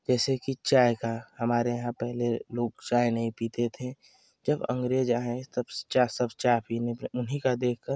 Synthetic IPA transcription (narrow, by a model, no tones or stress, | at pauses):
d͡ʒɛːsekit͡ʃaːjkahɐmaːɾejɐɦãpɛɦleloːɡt͡ʃaːenɐɦĩpiːt̪et̪ʰẽ | d͡ʒɐbə̰̃ŋɡɾeːd͡ʒaːɦet̪əbt͡ʃasəbt͡ʃaːpineʊnɦikad̪eːk̚ʰkəɾ